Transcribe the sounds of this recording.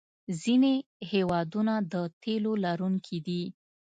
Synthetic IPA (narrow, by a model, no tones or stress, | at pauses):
zinehewɑd̪unad̪ət̪elolaɾuŋkʰid̪i